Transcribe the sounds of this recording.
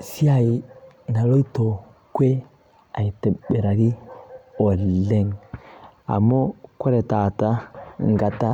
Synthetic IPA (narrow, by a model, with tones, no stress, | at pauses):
si˦a˦˨i˨na˨lo˦i˦to˨ | kwe˦ | a˨i˨tɛ˨ɓɛ˨ɾa˨ɾi˦o˨lɛ˦˨ŋ | a̰˨mo˦kwɛ˦ɾɛ˨ta˨ta˦ŋ˦ɡa˨ta˦